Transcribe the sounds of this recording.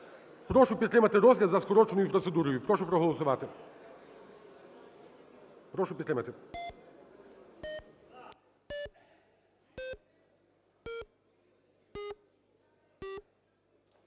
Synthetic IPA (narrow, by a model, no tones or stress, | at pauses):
pɾɔʃʊpʲit̪ːɾɪmɐt̪ɪɾɔzʲlʲɐzɐskɔɾɔt͡ʃenɔjʊpɾɔt̪sed̪uɾɔjʊpɾɔʃʊpɾɔɦɔlˠɔsʊʋɑt̪ɪ | pɾɔʃʊpʲit̪t̪ɾɪmɐt̪ɪ